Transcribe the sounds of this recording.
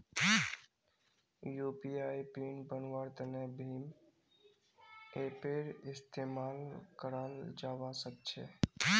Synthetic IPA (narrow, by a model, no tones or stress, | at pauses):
juːpiaːipiːnbənwaɾt̪ənebʱim | epeɾɪst̪emaːlkəɾald͡ʒaːwasək̚t͡ʃʰḛ